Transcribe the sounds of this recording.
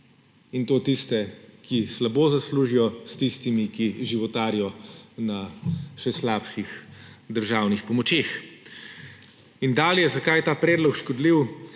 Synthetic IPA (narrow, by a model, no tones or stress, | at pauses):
int̪oːt̪ist̪ɛkislaboːzasluːʒijɔst̪ist̪imikiʒiʋɔt̪aːɾijɔnaʃɛslaːpʃixd̪əɾʒaːwnixpɔmɔt͡ʃeːx | ind̪aːlijɛzakajɛt̪aːpɾɛːd̪lɔkʃkɔd̪liw